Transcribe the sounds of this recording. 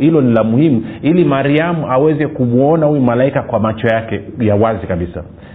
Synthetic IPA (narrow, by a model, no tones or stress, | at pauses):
hilɔnilamuhimuilimaɾiamuawɛzɛkumuɔnahuɛmalaikakwamat͡ʃɔjakɛjawazikaɓisa̰